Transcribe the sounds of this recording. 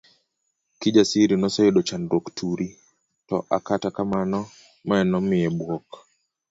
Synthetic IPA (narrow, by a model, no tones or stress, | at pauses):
kid͡ʒasiɾinɔsɔeɗɔt͡ʃandoktʰuɾi | tɔʔa̰katakamanɔ | mɔɛnɔmɪɛbwɔk